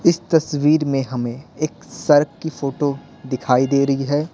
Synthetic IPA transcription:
ɪst̪ɐsʋiːɾmẽɦɐmẽeːksɐɾkkːifoːʈo | d̪ɪkʰaːid̪eːɾɐɦiɦɛː

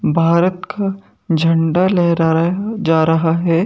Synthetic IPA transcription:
bʱaːɾət̪kʰa | d͡ʒʱɐɳɖaleː | d͡ʒaːɾɐɦaɦɛː

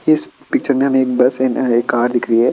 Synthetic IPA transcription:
ɪɪspɪk̚t͡ʃəɾmẽɦɐmẽeːk̚bɐsɛneːkːaːɾd̪ɪkʰɾiɦɛː

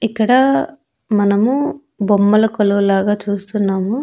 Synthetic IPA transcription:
ikːɐɽɐ | mɐnɐmu | bomːɐlɐkolɐʋlaːɡaːt͡ʃuːst̪unːaːmu

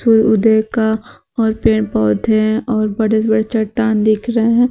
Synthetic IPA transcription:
suːɾʊd̪eka | ɔːɾpeːɽ̃pɔːd̪ʱeɦɛ̃ʔɔːɾbɐɽesbɐɽet͡ʃɐʈːaːnd̪ɪkʰɾɐɦeɦɛ̃ː

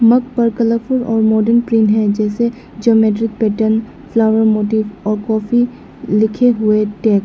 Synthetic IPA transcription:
mɐk̚pɐɾkələfʊɾɔːɾmɔːɖənpɾĩːnɦɛd͡ʒɛːse | d͡ʒioːmeːʈ̬ɾɪk̚pɛːʈən | flaːʋəɾmoːʈiːʋɔːɾkɔːfi | lɪkʰeɦʊeʈɛːk

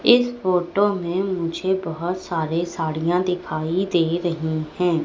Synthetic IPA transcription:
ɪsfoːʈoːmẽːmʊd͡ʒʱeːbəɦʊt̪saːɾeːsaːɽijãːd̪ɪkʰaːid̪eːɾəɦiːhɛ̃ː

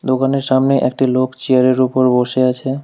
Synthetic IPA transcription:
d̪okaneɾʃamneʔḛkʈilokt͡ɕiaɾeɾupoɾboʃeat͡ɕʰe

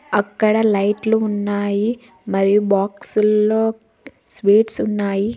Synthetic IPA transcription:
ɐkːɐɽɐlɐjʈluːnːaːji | mɐɾijubaːksulːoː | sʋeːʈsunːaːji

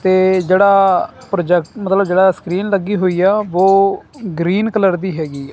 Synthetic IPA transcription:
t̪eːd͡ʒeːɽaːpɾoːd͡ʒɛk̚ʈmət̪ləbd͡ʒeːɽaːskɾiːnləɡːiːɦoːiːjaːʋoːɡɾiːnkələɾd̪iːɦɛːɡiː

